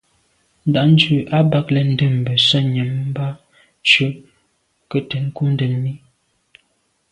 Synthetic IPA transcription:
n̩˦da˨ʔn̩˦d͡ʒʉ˦˨ʔa˦ba˦k̚lɛ˨n̩˦də˦˨m˨bə˨sə˦ɲə˨m˦ba˦ | t͡ʃʉ˦ | kə˦tə˨n˦ku˦n̩˦də˨nmi˦

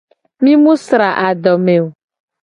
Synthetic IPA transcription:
mĩ˦mũ˦sɾa˨ʔa˨ɖ̪ɔ˨mẽ˨o˨

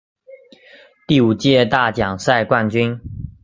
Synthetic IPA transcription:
t̪i˥˩u˨˩t͡ɕjɛ˥˧t̪a˥˩t͡ɕjɑ˨˩ŋsa˥˧ɪkwa˥˨nt͡ɕy˥˦n

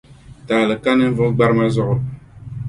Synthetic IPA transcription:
taː˨lɨ˨ka˦nɨ˦vʊ˦ɡ͡ba˦ɾɨ˦ma˦zʊ˦ʔʊ˦

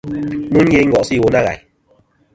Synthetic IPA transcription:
mu˦n˦je˧˦ŋ̩˦ɡɔ˨si˦˨wo˧˦na˦ɣa̰˨j

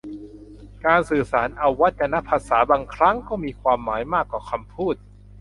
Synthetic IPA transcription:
kaː˧nsɯː˨˩saː˩˦nʔa˧wːa˦˥t̪̚t͡ɕa˧na˦˥pʰːaː˧saː˩˦baː˧ŋkʰɾa˦˥ŋkɔː˥˩miː˧kʰwaː˧mːaː˩˦jmaː˥˩kːwaː˨˩kʰa˧mpʰuː˥˩t̪̚

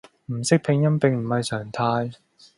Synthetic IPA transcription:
m̩˨˩sɪ˥k̚pʰɪ˨˧ŋjɐ˥npɪ˨ŋm̩˨˩hɐ˨jsœː˨˩ŋt̪ʰaː˧j

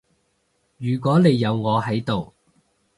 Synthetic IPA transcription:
jyː˨˩k̬ʷɔː˨˥ne˨˧jːɐ˨˧wŋɔː˨˧hɐ˨˥jt̪o˨w

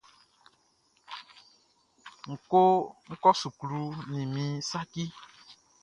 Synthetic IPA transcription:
ŋ̩˨ko˦ŋ̩˦kɔ˦su˨klu˦nĩ˨mĩ˨sa˦ki˦

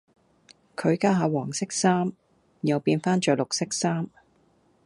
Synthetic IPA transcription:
kʰɵ˨˧ɥkaː˧˥ɦaː˨˧wɔː˨˩ŋsɪ˥k̚saː˥m | jɐ˨wpiː˧nfaː˥nt͡ʃœː˨˥lʊ˨k̚sɪ˥k̚saː˥m

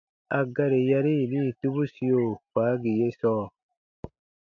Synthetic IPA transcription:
a˨ɡa˦ɾe˨ja˧ɾi˦˨liː˦˨tu˦bu˦si˧o˨faː˨˦ɡi˨je˦sɔː˦˨

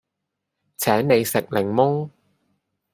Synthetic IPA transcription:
t͡sʰɛː˨˥nne˨˧jsɪ˨k̚lɪ˨˩ŋmʊ˥ŋ

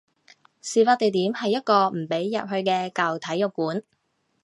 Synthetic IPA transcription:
siː˨˩faː˧t̪e˨jt̪iː˨˥mhɐ˨jːɐ˥t̚kɔː˧m̩˨˩pe˨˥jːɐ̰˨˩p̚hɵ˧ɥkɛː˧kɐ˨wt̪ʰɐ˨˥jʊ˨˩kːuː˨˥n

